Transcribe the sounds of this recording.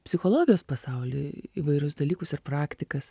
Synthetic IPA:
pʲsʲɪxoːlˠoːɡʲɪjoːspɐsɐʊlʲɪ̰iʋɐɪɾʲʊsd̪ɐlʲiːkʊsɪɾpɾɑːkt̪ʲɪkɐs

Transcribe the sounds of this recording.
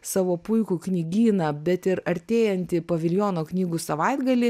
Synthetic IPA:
sɑʋoːpʊɪkuːknʲɪɡʲiːnɐbʲɛt̪ɪɾɐɾʲt̪ʲeːjɛnʲt̪ʲɪpɐʋʲɪlʲjoːnoːknʲiːɡusɐʋɐɪd̪ɡɐlʲɪ

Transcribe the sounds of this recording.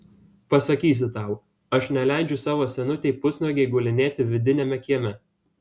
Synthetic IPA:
pɐsɐkʲiːs̬ʲɪt̪ɑˑʊ | ɐʃnʲɛlʲæˑɪd͡ʒʲʊsɑːʋoːsʲɛnʊt̪ʲeɪpʊsʲnoːɡʲɛɪɡʊlʲɪnʲeːt̪ʲɪʋʲɪd̪ʲɪnʲɛmʲɛkʲiɛmʲɛ

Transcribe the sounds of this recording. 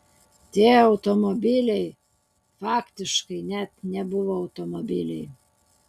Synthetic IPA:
t̪ʲiɛɐʊt̪omobʲilʲɛɪ | fɑːkt̪ʲɪʃkɐɪnʲæt̪nʲɛbʊʋoːɐʊt̪omobʲilʲɛɪ

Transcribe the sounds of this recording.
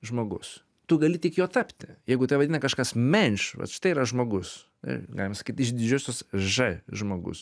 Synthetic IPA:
ʒmoːɡʊs | t̪ʊɡɐlʲɪtʲɪkjoːt̪ɑpʲt̪ʲɪjɛɪɡʊt̪ɐɪʋɐd̪ʲinɐkɐʃkɐsmʲɛnʲʃʋɐ̰t̪ʃɪ̥t̪ɐɪiɾɐʒmoːɡʊs | ɐ̰ɡɑ̰ːlʲɪmɐsɐ̥kʲiːt̪ɪʃd̪ʲɪd͡ʒʲʊːsʲʊsʒɐʒmoːɡʊ̰s

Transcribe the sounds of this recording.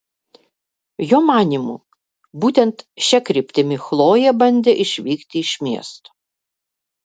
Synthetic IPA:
joːmɑːnʲimṵː | buːt̪ʲɛnt̪ʃʲɛkɾʲɪpʲt̪ʲɪmʲɪxlˠoːjɛbɐnʲd̪ʲeʔɪʃʲʋʲiːkt̪ʲɪɪʃʲmʲiɛst̪o̥ː

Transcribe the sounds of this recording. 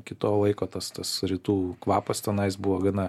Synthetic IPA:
kʲɪt̪oːlˠɐɪkoːt̪ɐst̪ɐsɾʲit̪uːkʋɑːpɐst̪ʲɛnɐɪsbʊʋoːɡɐnɐ

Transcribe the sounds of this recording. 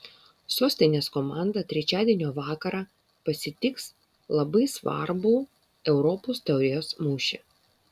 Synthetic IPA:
soːsʲt̪ʲɛɪnʲeːskɔmɑˑnd̪ɐt̪ʲɾʲɛt͡ʃʲæːd̪ʲiɛnʲoːʋɑːkɐɾɑː | pɐsʲɪt̪ʲɪks | lˠɐbɐɪsʋɐ̰ɾbuː | ɛʊɾɔpoːst̪ʲɐʊɾʲejoːsmuːʃʲɛ

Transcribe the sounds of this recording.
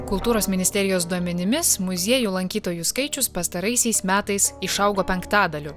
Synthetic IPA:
kʊlˠt̪uːɾoːsmʲɪnʲɪsʲt̪ʲɛɾʲɪjoːsd̪uɔmʲɛnʲɪmʲɪsmʊzʲiɛjuːlˠɐŋʲkʲiːt̪oːjuskɐɪt͡ʃʲʊspɐst̪ɐɾɐɪsʲɛɪsmʲæːt̪ɐɪsɪʃɐʊɡoːpʲɛŋkt̪ɑːd̪ɐlʲʊ

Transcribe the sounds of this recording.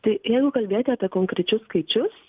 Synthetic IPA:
t̪ɐɪjɛɪɡʊkɐlʲbʲeːjoːt̪ʲaːpʲiɛkoːŋkɾʲɛt͡ʃʲʊsskɐɪt͡ʃʲʊs

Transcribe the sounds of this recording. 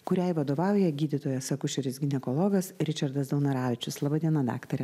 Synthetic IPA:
kʊɾʲɛɪʋɐd̪oːʋɑˑʊjɛɡʲiːd̪ʲɪt̪oːjɛsɐkʊʃʲɛɾʲɪsɡʲɪnʲɛkoːlˠɔːɡɐsɾʲɪt͡ʃʲɐɾd̪ɐsd̪ɐʊnɐɾɑːʋʲɪt͡ʃʲʊslˠɐːbɐd̪ʲiɛnɐd̪ɑ̰ːkt̪ɐɾʲɛ

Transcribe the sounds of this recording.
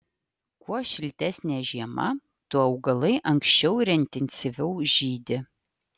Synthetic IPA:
kuɔʃʲɪlʲt̪ʲɛsʲnʲeːʒʲiɛmɐ̰ | t̪ʊɐʊɡɐlˠɐɪʔɐŋksʲt͡ʃʲɛʊɾʲɛɪnʲt̪ʲɛnʲsʲɪʋʲɛʊʒʲiːd̪ʲɪ

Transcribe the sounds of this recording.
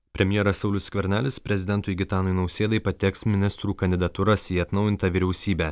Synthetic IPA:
pʲɾʲɛmʲjɛːɾɐsɒʊlʲʊssʲkʲʋʲɛɾʲnʲæːlʲɪspʲɾʲɛzʲɪd̪ʲɛnt̪ʊjɡʲɪt̪ɑːnojnɒʊsʲeːd̪ɐɪpɐt̪ʲɛksmʲɪnʲɪst̪ɾuːkɐnʲd̪ʲɪd̪ɐt̪uɾɐsiːɐt̪nɒʊjɪnt̪ɐʋʲiːɾʲɛʊsʲiːbʲæː

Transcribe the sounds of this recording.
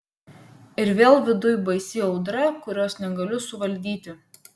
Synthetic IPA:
ɪɾʋʲeːlˠʋʲɪd̪ʊjbɐɪsʲiɒʊd̪ɾɐkʊɾʲoːsnʲɛɡɐlʲʊsʊʋɐlʲd̪ʲiːt̪ʲɪ

